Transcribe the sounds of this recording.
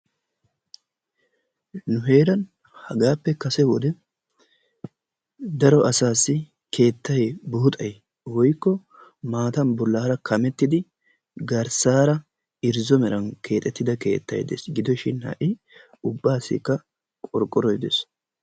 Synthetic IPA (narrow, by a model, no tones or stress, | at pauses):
nʊɦe̞ːɾɐn | hɐɡaːpːɛkɐsɛwɔd̪ɛ | d̪ɐɾɔʔɐsaːsːɪ | kʰe̞ːt̪ːɐjɛbuːt̪ʼɐj | wɔjkːɔ | maːt̪ɐnbɔlːaːɾɐkʰɐmɛt̪ːɪd̪ɪ | ɡɐɾsaːɾɐ | ɪɾzɔmɛɾɐnkʰe̞ːt̪ʼɛt̪ːɪd̪ɐke̞̰ːt̪ːɐ̰jd̪ḛsɡɪd̪ɔʃɪnhɐ̰ʔɪ | ʊbːaːsɪ̰kːɐ | kʼɔɾkʼːɔɾɔjd̪ḛs